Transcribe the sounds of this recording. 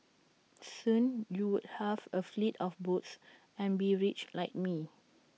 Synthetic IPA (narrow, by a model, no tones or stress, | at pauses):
sũnjuwud̚hɛvəflitʰɔfbots | ɛ̃nbiɹit͡ʃlaɪk̚mi